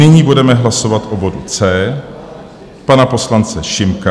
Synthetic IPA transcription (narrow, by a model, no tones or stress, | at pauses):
ɪɲiːbudɛmɛɦlaso̞vat̪ʔobo̞dut͡sɛː | panapo̞slant͡sɛʃɪmka